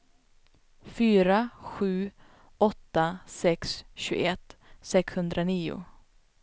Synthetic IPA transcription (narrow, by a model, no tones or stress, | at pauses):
fyːɾaɧʉ̟ː | ɔt̪ːasɛksɕʉːɡ̰ɛt̪ːsɛkshɵnd̪ɾaniːʊ̰